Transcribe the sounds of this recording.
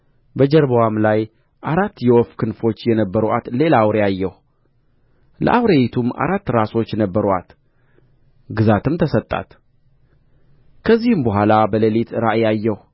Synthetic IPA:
bəd͡ʒɛɾbəwamlaj | ʔaɾat̪ːjɛwɔfkʰɨnfo̞t͡ʃːjɛnəbːəɾʔa̰t̪le̞lawɾejajːɛh | lə̰ʔawɾeit̪ʰuma̰ɾat̪ːɾaso̞t͡ʃːnəbːəɾat̪ | ɡɨzat̪ʰɨmt̪ʰəsət̪ʼːa̰t̪ | kʰəzːihɨmbəɦʷalabələlit̪ɾaʔjajːɛh

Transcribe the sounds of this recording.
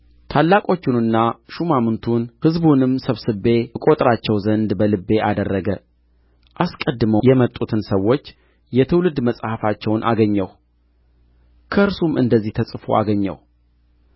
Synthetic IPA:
t̪ʰalːakʼo̞t͡ʃːɪnɨnːaʃumamɨnt̪ʰunhɨzbunɨmsəβsɨbe̞kʼo̞t̪ʼɾat͡ʃːɛwzənd̪bəlɨbːe̞ʔad̪ərːəɡə | ʔaskʼəd̪ːɨməjɛmət̪ʼut̪ʰɨnsəwːo̞t͡ʃː | jɛt̪ʰɨwlɨd̪məsʼhafat͡ʃːɛwnʔa̰ɡəɲːɛw | kʰəʔɨɾsumʔɨ̰nd̪əzːiht̪ʰəsʼɨfo̰ʔa̰ɡəɲːɛ̰w

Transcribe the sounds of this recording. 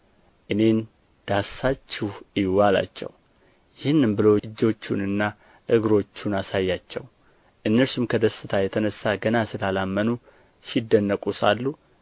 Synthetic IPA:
ʔɨne̞n | d̪̥asat͡ʃːɪhɪwala̰t͡ʃːɛ̰w | jɪhɨnːɨmbɨloɨd͡ʒːo̞t͡ʃːunɨnːa | ʔɨɡɾo̞t͡ʃːunasajːat͡ʃːɛ̰w | ʔɨnːəɾsumkʰəd̪əsːɨt̪ʰajɛt̪ʰənəsːaɡənasɨlalamːənu | sid̪ːənːəkʼusa̰lːu

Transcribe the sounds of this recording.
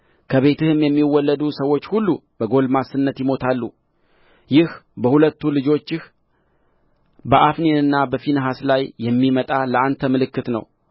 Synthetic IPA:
kʰəβe̞t̪ɨhɨmjɛmːiwːɔlːəd̪usəwːo̞t͡ʃːhulːubəɡo̞lmasɨnːət̪jɪmo̞t̪ʰalːu | jɪhbəhulət̪ːulɨd͡ʒo̞t͡ʃːɪh | bəʔafnenɨnːabəfinəɦaslajːɛmːimət̪ʼaləant̪ʰəmɨlɨkːɨt̪nə̰w

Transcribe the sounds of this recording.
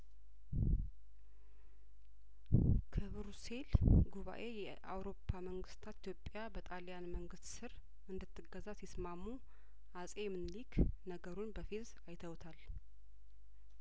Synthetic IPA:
kʰɨβɾuse̞lɡuβa̰ʔe̞jɛ | ʔa̰wɾo̞pʰːaməŋɡɨst̪ʰat̪i̥t̪ʰjo̞pʼːjabət̪ʼaljanməŋɡɨst̪sɨɾ | ɨnd̪ɨt̪ʰːɨɡːəzasismamːu | asʼemɨnliknəɡəɾunbəfiz | ajt̪ʰəwt̪ʰal

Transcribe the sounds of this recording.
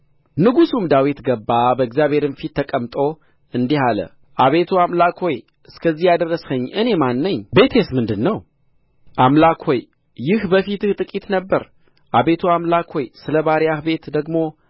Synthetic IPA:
nɨɡusumd̪awit̪ɡəbːabəɨɡzjaβhe̞ɾɨnfit̪ʰːəkʼəmt̪ʼo̞ | ɨnd̪ihalə̰ | ʔaβe̞t̪ʰuamlakho̞j | ʔɨskʰəzːihjad̪ərːəshəɲːʔɨne̞manːəɲːbe̞t̪ʰesmɨnd̪ɨnːəw | ʔamlakho̞j | jɪhbəfit̪ɨht̪ʼɨkʼit̪nəbːəɾ | ʔaβe̞t̪ʰuamlakho̞jsɨləbaɾjahbe̞t̪d̪əɡmo̞

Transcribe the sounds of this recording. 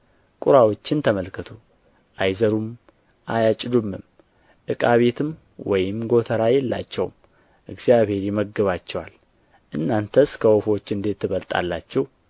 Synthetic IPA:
kʼuɾawo̞t͡ʃːɪnt̪ʰəməlkʰːət̪ʰu | ʔajzəɾum | ʔajat͡ʃʼːd̪umːɨm | ʔɨkʼaβe̞t̪ʰɨm | wɔjɪmɡo̞t̪ʰəɾajɛlːa̰t͡ʃːɛwm | ʔɨɡzijaβhe̞ɾjɛməɡɨβat͡ʃːɛwal | ʔɨnːant̪ʰəskʰəwofo̞t͡ʃːɨnd̪e̞t̪ːɨβəlt̪ʼa̰lːa̰t͡ʃːɛw

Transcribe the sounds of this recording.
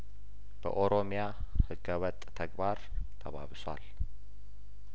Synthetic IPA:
b̥ə̰ʔoɾomija | hɨɡəwət̪ʼt̪ʰəɡbaɾt̪ʰəβa̰βsʷa̰l

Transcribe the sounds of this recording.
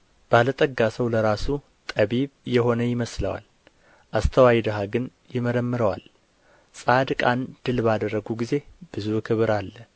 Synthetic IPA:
b̥əalət̪ʼəɡːasəwləɾasu | t̪ʼəβiβjɛɦo̞nəjɪməslə̰wa̰l | ʔast̪ʰəwajd̪əɦaɡɨn | jɪməɾəmːɨɾəwal | sʼad̪kʼand̪̥ɨlbad̪ərːəɡuɡize̞b̥ɨzukʰɨβɨɾalːə

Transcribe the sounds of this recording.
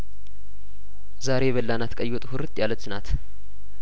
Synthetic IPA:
zaɾe̞ɛβəlːanat̪kʼəjːwot̪ʼhʊɾɨt̪ʼjalːət̪nat̪

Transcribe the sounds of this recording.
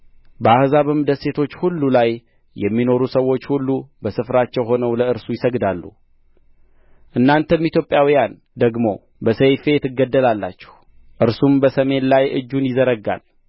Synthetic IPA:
bəahzaβɨmd̪əse̞t̪ʰo̞t͡ʃːhulːulajː | ɛmːino̞ɾusəwo̞t͡ʃːhulːubəsɨfɾat͡ʃːɛwɦo̞nəwləɨɾsujɪsəɡd̪alːṵ | ʔɨnːant̪ʰəmit̪ʰjopʼjawijan | d̪əɡmo̞̰ | bəsəjfe̞jɛt̪ʰɨɡːəd̪ːəlalːat͡ʃːɛ̥h | ʔɨɾsumbəsəme̞nlajʔɨ̰d͡ʒːunjɪzəɾəɡa̰l

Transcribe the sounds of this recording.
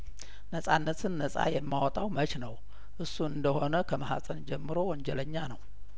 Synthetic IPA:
nəsʼanːət̪ʰɨnːəsʼa̰jɛmːawɔt̪ʼawmət͡ʃnəw | ʔɨsːuɨnd̪əho̞nəkʰəməha̰sʼənd͡ʒɛmːɨɾo̞wɔɲd͡ʒɛləɲːanəw

